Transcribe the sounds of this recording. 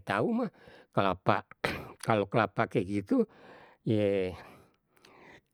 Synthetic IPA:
t̪aumahkalapakalokəlapakeɡit̪u | je

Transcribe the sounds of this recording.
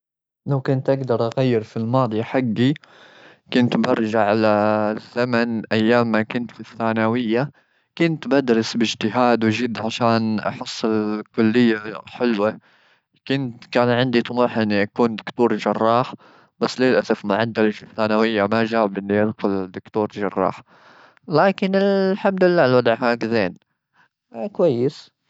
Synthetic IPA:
lawkʊnt̪ʔaɡd̪ɑɾˤʔaɣajːɪɾfilmɑːd̪ˤijaħaɡːi | kʊnt̪bɑɾˤʒaʕalazːamanʔajːaːmːakʊnt̪fiθːaːnawɪjːa | kʊnt̪bad̪ɾɪsbɪd͡ʒt̪ɪɦaːd̪wɪʒɪd̪ːʕaʃaːnʔa̰ħʊsˤːɪlkʊlːɪjːaħɪlwa | kʊnt̪kaːnʕɪnd̪it̪ˤʊmuːħʔɪnːiʔakuːnd̪ʊkt̪uːɾˤʒɑrˤːɑːħ | b̥asːleːlʔasafmʊʕad̪ːalafɪθːaːnawɪjːamaʒaːɪbʔɪnːiʔɪd̪xʊld̪ʊkt̪uːɾˤʒɑ̰rˤːɑ̰ːħ | laːkɪnɪlħamd̪ʊlɪlːaːlwad̪ˤʕhaːɡzeːn | kwajːɪs

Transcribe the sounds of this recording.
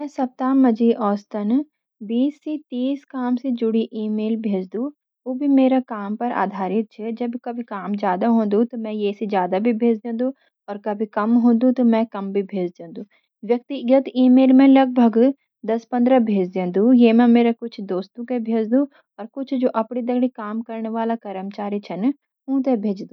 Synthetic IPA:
mɛ̃sɐp̚t̪aːmːɐd͡ʒiʔɔːst̪ən | biːsːit̪iːskaːmsed͡ʒʊɽiʔiːmeːlbʱeːd͡ʒd̪ũ | oːbʱimeːɾakaːmpɐɾa̰ːd̪ʱaːɾɪt̪̚t͡ʃʰed͡ʒɐbkɐbʱikaːmzjaːd̪aɦõːnd̪ũt̪omɛ̃jeːsed͡ʒjaːd̪abʱibʱeːd͡ʒd̪ẽːnd̪ũ | ɔːɾkɐbʱikɐmɦõːnd̪ũt̪omɛ̃kɐmbʱibʱeːd͡ʒd̪ẽːnd̪ũ | ʋjɐk̚t̪iɡjət̪iːmeːlmẽlɐɡ̚bʱəɡ | d̪ɐspɐ̃nd̪ɾabʱeːd͡ʒd̪ẽːnd̪ũjeːmẽmeːɾakʊt͡ʃʰd̪oːst̪ũkebʱeːd͡ʒd̪ũ | ɔːɾkʊt͡ʃʰd͡ʒoːʔɐpɽid̪ɐɡɽikaːmkɐɾneʋaːlakɐɾəmt͡ʃaːɾit͡ʃʰɐn | ũːd̪ebʱeːd͡ʒd̪ũː

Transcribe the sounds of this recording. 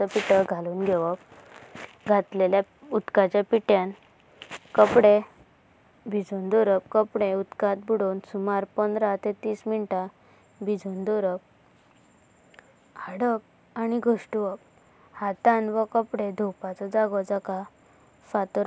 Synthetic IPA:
t͡səpiʈəɡʱaluːnɡʱeʋəp̚ | ɡʱat̪lelja | ut̪kat͡ɕapiʈjan | kəpɽe | bʱid͡zʱund̪oɾəp̚kəpɽẽut̪kat̪̚buɽonsumaɾpənd̪ɾat̪et̪iːsminʈa | bʱid͡zʱond̪oɾəp̚ | haɽəp̚ | aniɡʱoʂʈʋək̚ | hat̪anʋəkəpɽed̪ʱupat͡sɔd͡zaɡɔd͡zaka | fat̪ɔɾ

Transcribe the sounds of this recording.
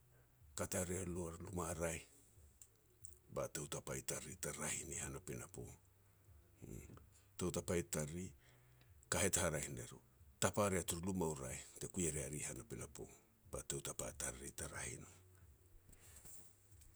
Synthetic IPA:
kataɾealualumaɾaj | batewtapajtaɾitaɾahinihanapenapo̞̰ | tewtapajtaɾi | kahetahaɾahineɾo | tapaɾeatuɾulumauɾajte̞kujeɾeaɾihanapenapo̞̰ | b̥a̰tewtapataɾitaɾahino

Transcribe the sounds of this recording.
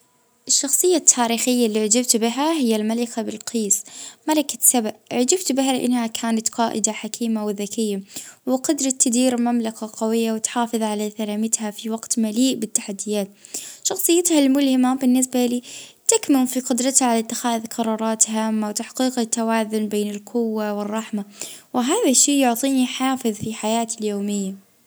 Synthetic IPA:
ʔɪʃːɑxsˤɨjːat̪ʰːaːɾiːxɪjːalːiʕad͡ʒɪbt̪bɪɦaɦɪjːalmalɪkabɪlqʰiːsmalakḁsababʕd͡ʒɪbt̪bɪɦalɪʔɪ̰nːhakʰaːnat̪qɑːʔɪ̰d̪aħakʰiːmawðakɪjːawɪqʊd̪ɾˤɑt̪ːɪd̪iːɾmamlakaqɑwɪjːawɪt̪ħɑːfɨðˤʕalaθalaːmɪt̪hafiwɑɡt̪maliːʔbɪt̪ːaħad̪ːɪjaːt̪ʃɑxsˤɨjːat̪halmʊlhɪmabɪnːɪs̬baliːt̪akmɪnfiqʊd̪ɾˤɑt̪haʕalat̪ːɪxaːʔðqʰɑɾˤɑːɾˤɑːt̪haːmːawt̪aħqiːqat̪ːawaːðʊnbeːnɪlqʰʊwːawɪrˤːɑħmawɪɦaːðaʃːiːjʊʕt̪ˤiːniħɑːfɪðˤfiħajaːt̪ɪljoːmɪjːa

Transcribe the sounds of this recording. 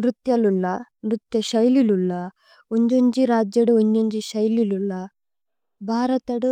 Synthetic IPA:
ɾut̪jɐlulːɐ | nɾut̪jɐʃɐjlilulːɐ | oɲd͡ʒoɲd͡ʒiɾaːd͡ʒjɐɽuoɲd͡ʒoɲd͡ʒiʃɐjlilulːɐ | bʱaːɾɐt̪ɐɽu

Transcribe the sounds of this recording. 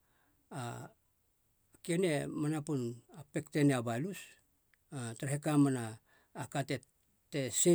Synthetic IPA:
a | kiene̞manapunape̞kteneabajlus | ataɾahekamanaː | kate | tese

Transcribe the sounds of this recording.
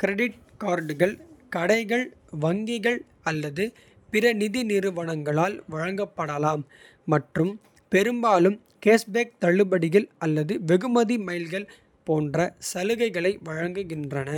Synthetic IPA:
kɪɾɛɽɪʈ̚kaːɾɖɯɣɐɭkɐɽɐɪɣɐɭʋɐŋɡɪɣɐɭ | ɐlːɐðɯ | pɪɾɐnɪðinɪɾɯʋɐɳɐŋɡɐɭaːlʋɐɻɐŋɡɐpːɐɽɐlaːmː | ɐʈrɯm | pɛɾɯmbaːlɯm | keːsbeːk̚t̪ɐɭːɯbɐɽɪɣɐlɐlːɐðɯʋɛɣɯmɐðimɐɪlɣɐɭ | poːndrɐsɐlɯɣɐɪɣɐɭɐɪʋɐɻɐŋɡɯɣɪndrɐnɐ

